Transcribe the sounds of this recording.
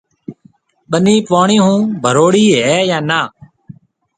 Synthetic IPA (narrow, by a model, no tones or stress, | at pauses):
ɓəniːpaːɳĩːɦũːbʱəɾoːɽiːɦɛːjãːnaː